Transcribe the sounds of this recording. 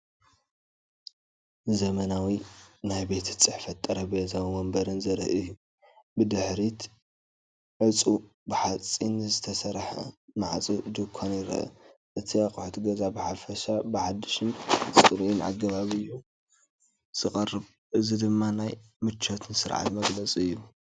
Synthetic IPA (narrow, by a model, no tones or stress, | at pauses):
zɐmɐnawinajbe̞t̪ʰɨ̥t͡sʼɨħfɐt̪ʼːɐɾɐbet̪ʰawimɐmbɐɾɨnzɐɾ̰ʔɨju | bɨd̪ɨħɾit̪ | ʕɨt͡sʼu | bɨħat͡sʼinzɨt̪ʰɐsɐɾħɐ̰maʕt͡sʼid̪ɨkʰonjɪɾɐ̰ʔɐ̰ | ʔɨt̪ʰiakʼʊħt̪ɡɐzabɨħafɐʃabɨħad̪ːɨʃɨnt͡sʼɨɨɾʔinʔa̰ɡɐβaβɨju | z̥ɨkʼɐrɨβ | ʔɨzid̪ɨmːanaj | mɨt͡ʃʰːɐt̪ʰɨnsɨɾʕa̰t̪mɐɡlɐt͡sʼɨjːu